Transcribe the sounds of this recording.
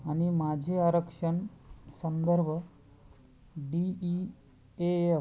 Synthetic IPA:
ənimad͡ʒʱeaɾəkʂəɳsənd̪əɾbʱ | ɖii | ee

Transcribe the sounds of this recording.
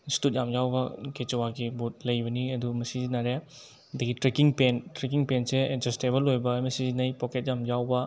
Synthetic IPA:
stut̚jamjawbɐket͡ʃowaɡibut̚lɐjbɐniɐdumɐsizinaɾe | ɐdɐɡitɾekiŋpentɾek̬iŋpenseed͡ʒesteβɐlojbɐjmɐsizinɐjpɔket̚jamjawbɐ

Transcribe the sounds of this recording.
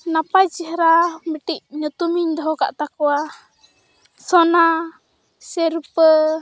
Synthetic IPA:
napajd͡ʒiɦɾamiʈiʔ̚ɲɔt̪umiɲd̪ɔɦɔka̰ʔt̪akɔwa | sɔna | sɛɾupə

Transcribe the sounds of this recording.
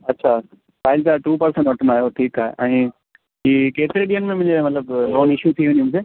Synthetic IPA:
ɐtːɕʰa | faːɪlt̪aʈuːpɐɾsə̃ɳʈʋɐʈʰənaːɦjoʈʰiːkaːɦḛʔɛ̃ː | ɦiːkeːt̪ɪɾeɗijənmẽmʊ̃ɪ̃d͡ʑemɐt̪ləbɾɔːnɪʃjut̪ʰiʋẽniumũseː

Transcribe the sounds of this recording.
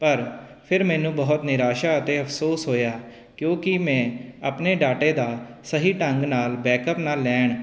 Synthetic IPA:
pəɾpʰɪɾmɛ̃ːnũːbəɦʊt̪nɪɾaːʃaːət̪eːəpʰsoːsɦoːjaː | kjõːkɪmɛ̃ːapneːɖaːʈeːd̪aːsəɦiːʈəŋɡnaːlbɛːkəpnaːlːɛːɳ

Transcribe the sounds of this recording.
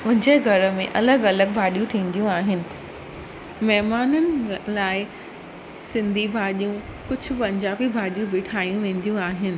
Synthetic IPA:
ʊ̃ɦɪ̃ɲd͡ʑeɡʱɐɾə̆mẽʔɐləɡɐləɡ̚bʱaːɗijũt̪ʰĩːn̆d̪ijũaːɦɪnɪ̆ | mɛɦmaːnənɪlaːɪ | sɪ̃nd̪ʱibʱaːɗijũ | kʊd͡ʑʱʊ̆pɐ̃ɲd͡ʑaːbibʱaːɗijũbɪʈʰaːijũʋẽːn̆d̪ijũaːɦɪnɪ̆

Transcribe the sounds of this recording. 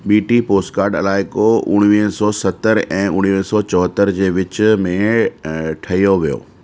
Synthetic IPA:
ɓiːʈipoːsʈkaːɾɖɐ̰laːɪkoʊɽ̃ʋiɦə̃sɔːsɐt̪əɾɛ̃ːʊɽ̃ʋiɦə̃sɔːt͡ɕɔɦət̪əɾd͡ʑeːʋɪt͡ɕʊ̆mẽ | ʈʰɐɦijoʋijo̰ː

